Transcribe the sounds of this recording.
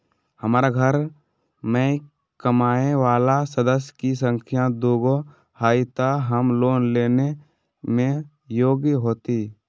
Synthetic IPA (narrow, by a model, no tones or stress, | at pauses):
həmaːɾaɡʱəɾ | mẽ | kəmaːeʋaːlasəd̪əs̬jkisə̃ŋkʰjãd̪oːɡo | haːit̪aɦəmloːnleːne | mẽ | joːɡjɦoːt̪i